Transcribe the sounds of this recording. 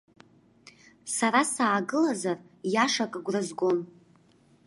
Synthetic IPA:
saɾasaːɡɨlazar | jaʂakʼaɡʷrazɡo̞n

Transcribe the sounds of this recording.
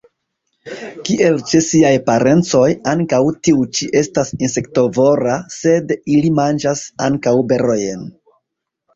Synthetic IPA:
kiʔe̞lt͡ʃesiajpaɾe̞nt͡so̞jaŋkawtiut͡ʃiʔe̞stasinse̞kto̞vo̞ɾase̞dilimand͡ʒasa̰ŋkawbe̞ɾojen

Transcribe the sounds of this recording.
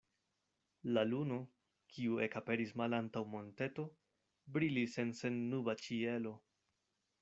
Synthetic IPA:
laluno̞ | kʰiue̞kape̞ɾismalantawmo̞nte̞to̞ | bɾilise̞nse̞nːubat͡ʃie̞lo̞

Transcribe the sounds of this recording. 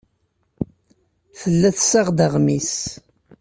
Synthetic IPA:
θəlːæθsaʁd̪əʁmis

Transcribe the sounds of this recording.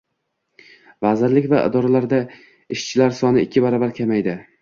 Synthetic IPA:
vazɪɾlɪkʲvaʔɪ̰d̪ɒɾalaɾd̪a | ɪʃt͡ʃʰɪlaɾsɒnɪɪkʲʰːɪbaɾɒbaɾkʲʰamajd̪ɪ

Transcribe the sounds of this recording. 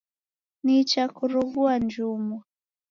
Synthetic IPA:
nit͡ʃakuɾuɣuand͡ʒumɔ

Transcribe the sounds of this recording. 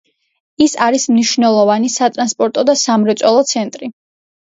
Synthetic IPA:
isaɾismniʃvnɛlˠɔvanisat̪ʼɾanspʼɔɾt̪ʼɔd̪asamɾɛt̪sʼwɛlˠɔt̪sʰɛnt̪ʼɾi

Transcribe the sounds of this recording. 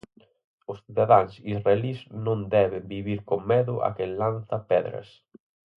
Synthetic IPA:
ʊsθiðaðaŋsisraeliznõnd̪ɛβembiβiɾkoːɛðʊʔa̰kenlan̟θapɛðɾɐ̰s

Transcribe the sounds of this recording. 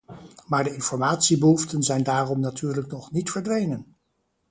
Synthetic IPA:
maːɹdəɪnfɔɹmaːtsibəɦuftənzɛjndaːrɔmnatyːɹləknɔχnitfəɹdʋejnən

